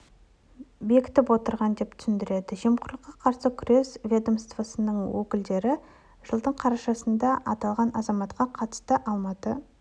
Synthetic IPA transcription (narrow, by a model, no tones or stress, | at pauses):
be̞kʲɪ̥t̪ɪpwo̞t̪əɾʁɑnd̪e̞p̚t̪ʰʏ̥sɪnd̪ɪɾe̞d̪ɪʒemqʰʊɾqːɑqʰɑɾsəkʲʰʏɾe̞svʲed̪əmst̪vosənəɴwɵkʲɪld̪e̞ɾɪ | ʒ̥əlˠd̪əɴqʰɑɾɑʃɑsənd̪ɑʔɑ̰t̪ɑlˠʁɑnʔɑzɑmɑt̪qɑqʰɑt̪ə̥st̪əʔɑlˠmɑt̪ə